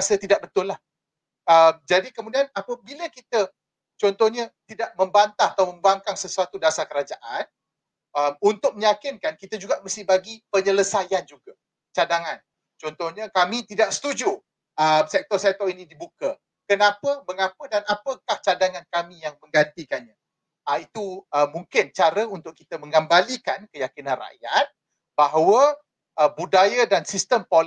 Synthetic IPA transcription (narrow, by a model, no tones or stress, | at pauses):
asət̪idaʔ̚bət̪ʊlːah | əmd͡ʒadikəmũdianapəbiləkit̪ə | t͡ʃɔnt̪ɔhɲat̪idaʔ̚mə̃mbant̪ahat̪awmə̃mbaŋkansəsuat̪udasakəɾad͡ʒaʔan | əmunt̪ʊk̚məɲakɪnkankit̪ad͡ʒuɡaʔməst̪ɪbaɡipəɲələsajand͡ʒuɡa | t͡ʃadaŋãn | t͡ʃɔnt̪ɔhɲə̃kamĩt̪idaʔsə̥t̪ud͡ʒu | əmsɛk̚t̪ɔrsɛt̪ɔinidibukə | kənãpəməŋapədanapəkaht͡ʃadaŋankamĩjaŋmə̃ŋɡant̪ikanɲa | əit̪uəmːuŋkɪnt͡ʃaɾəunt̪ʊʔ̚kit̪əmə̃ŋɡambalikankəjakinãnra̰ʔjat̪̚ | baɦwə | ʔəbudajadansist̪əmpol